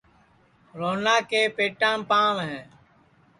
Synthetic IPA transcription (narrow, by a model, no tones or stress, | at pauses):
ɾoːnaːkeːpeːʈãːpãːʋɦɛ̃ː